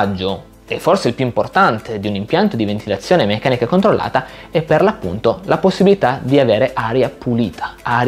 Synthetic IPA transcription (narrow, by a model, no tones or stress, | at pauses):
d͡ʒːo | ɛfːorseilpjuimport̪ant̪ed̪iunimpjant̪od̪ivent̪ilat̪sːjoːnemekːaːnikakont̪ɾolːa̰ːt̪aɛpːerlapːṵnt̪olʔaposːibilit̪ad̪iaveːɾeʔaːɾjapuliːt̪ʰḁaɾ